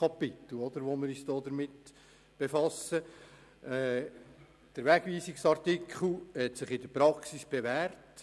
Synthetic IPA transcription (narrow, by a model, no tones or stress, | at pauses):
kɑpɪt̪l̩ˠɔd̪əɾʋoməɾysd̥ɔːd̪əɾmɪt | b̥efɑsəː | d̥əɾʋæɡ̥ʋiːsɪksɑɾtikʰχl̩ˠhɛtsɪχɪd̥əpɾɑksisb̥eʋæːɾt